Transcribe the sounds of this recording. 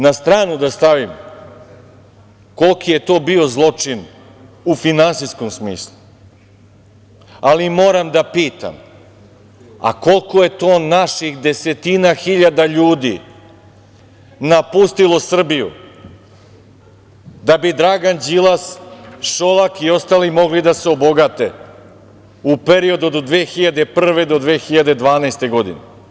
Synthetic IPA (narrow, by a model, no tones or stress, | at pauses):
nast̪ɾaːnud̪ast̪aʋim | ko̞lˠkije̞t̪o̞ːbio̞zlˠo̞t͡ʂin | ufinansisko̞msmiːslˠu | alimo̞ːɾamd̪apiːt̪a̰m | a̰ko̞lˠkoje̞t̪o̞ːnaʃixd̪e̞se̞t̪inaxiʎad̪aʎuːd̪ḭ | napust̪ilˠo̞sr̩bijṵ | d̪abid̪ɾaɡand͡ʑilˠasʃolakio̞st̪aːlimo̞ɡlid̪aseo̞bo̞ɡat̪e | upeɾio̞d̪uod̪d̪ʋeːxiʎad̪e̞pr̩ʋe̞d̪od̪ʋeːxiʎad̪e̞d̪ʋaːnaːst̪e̞ɡo̞d̪ḭnḛ